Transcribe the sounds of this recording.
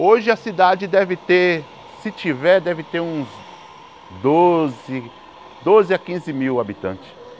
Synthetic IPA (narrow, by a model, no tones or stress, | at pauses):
oʒɪɐsid̪ad͡ʒɪd̪ɛvɪt̪eɾ | sɪt͡ʃivɛɾd̪ɛvɪt̪eɾũz | d̪ozɪ | d̪ozɪakĩzɪmiwabit̪ɐ̃t͡ʃɪ̥s